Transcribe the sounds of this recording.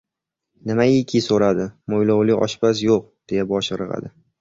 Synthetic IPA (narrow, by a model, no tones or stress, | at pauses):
nɪmajɪkʲʰisoɾad̪ɪmojlɒwlɪɒ̰ʃbas̬joq̚d̪̥e̞jabɒʃɾɨʁa̰d̪ɪ